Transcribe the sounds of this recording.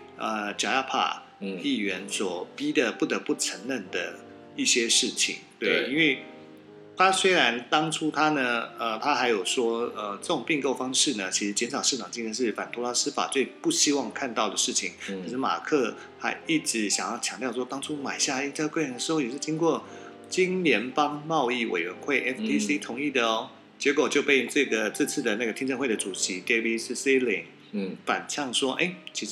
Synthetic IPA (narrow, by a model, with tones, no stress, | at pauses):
ə˧t͡ɕja˨˩ja˥˧pʰa̰˥˩ | i˥˩ɥɛ˧˥nswɔ˨˩pi˥d̪ə˨pu˥˩t̪ə˧˥pu˥˩ʈ͡ʂʰə˧˥ŋnə˥˩nd̪ə˩ | i˥˩ɕjɛ˥ʂɻ̩˥˩t͡ɕʰḭ˨˩˦ŋt̪we˥˩ɪi˥nwe˥˩ɪ | t̪ʰa˥swe˥ɪɻa˧˦nt̪ɑ˥ŋʈ͡ʂʰu˥t̪ʰa˥nə˨ə˧t̪ʰa˥xa˧˥ɪjo˨˩ʊʂwɔ˥ə˧ʈ͡ʂɤə˥˩ʊ˨˩ŋpi˥˧ŋko˥˩ʊfɑ˥ŋʂɻ̩˥˩nə˩t͡ɕʰi˧˥ʂɻ̩˧˥t͡ɕjɛ˧˥nʂʰɑ˨˩ʊʂɻ̩˥˩ʈ͡ʂʰɑ˨˩ŋt͡ɕi˥ŋʰ˥˧˥nʂɻ̩˥˩fa˨˩nt̪ʰu˥la˧˥sɹ̩˥fa̰˨˩t͡swe˥˧ɪpu˥˩ɕi˥wɑ˥˧ŋkʰa˥˧nt̪ɑ˥˩ʊd̪ə˩ʂɻ̩˥˩t͡ɕʰi˩˦ŋkʰi˧˥ʂ̩˧˥ma̰˨˩kʰɤ˥˧ | xa˧˥ɪi˥˩ʈ͡ʂɻ̩˧˥ɕjɑ˨˩ŋjɑ˥˩t͡ɕʰjɑ˧˥ŋt̪jʊʂɔ˥t̪ɑ˥ŋʈ͡ʂʰu˥ma˨˩ɪɕja˥˩i˥˧t̪ʰkwe˥˩ɪ˧nd̪ə˩ʂɻ̩˧˥xo˥˩jɛ˨˩ʂ̬ɻ̩˥˩t͡ɕi˥nkwɔ˥˩ | t͡ɕi˥nnjɛ˧˥npɑ˥ŋmɑ˥˧ʊi˥˩wḛ˨˩ɪɥɛ˧˦nxwe˥˩ɪʔɛ˥ft̪ʰi˥si˥t̪ʰʊ˧˥ŋi˥˩d̪ə˩ɔ˨˧˩ | t͡ɕjɛ˧˥kwɔ˨˩t͡ɕjo˥˧ʊpe˥˧ɪʈ͡ʂɤ˥˩ɡə˩t͡sɹ̩˥˧t͡sʰɹ̩˥˩d̪ə˩na˥˩ɡə˩t̪ʰi˥ŋʈ͡ʂə˥˧xwe˥˩ɪd̪ə˩ʈ͡ʂu˨˩ɕi˧˥t̪ɛ˥bi˥si˥si˥lḭ˨˩ŋ | fa̰˨˩nt͡ɕʰjɑ˥˩ŋʂwɔ˥ʔe˥˩ɪt͡ɕʰi˧˥ʂ